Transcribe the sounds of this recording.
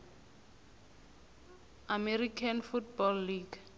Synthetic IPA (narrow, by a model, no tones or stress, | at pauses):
amɛrikʰanfutbɔlːiɡ